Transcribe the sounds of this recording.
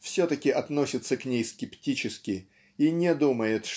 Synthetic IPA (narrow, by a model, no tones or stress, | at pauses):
fsʲɵt̪əkʲɪʔɐt̪no̞sʲɪt̪səknʲejskʲɪptʲit͡ɕɪskʲɪ | inʲɪd̪uməjɪt̪ʂ